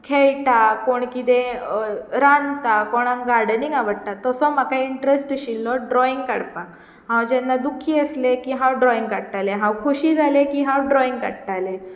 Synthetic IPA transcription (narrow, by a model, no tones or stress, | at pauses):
kʰeɭʈakoɳkit̪e | ɾant̪akɔɽ̃ãŋɡaɾɽniŋɡaʋəɽt̪at̪ɔsɔmakaiɳʈɾesʈɕilːɔɖɾɔiŋɡka̰ɽpa | ɦãwd͡ʑɛnːad̪ukʰːiəslekiɦãwɖɾɔiŋɡkaɽʈ̪aleɦãwkʰuɕiːd͡zʱalekiɦãwɖɾɔĩŋɡkaɽʈ̪ale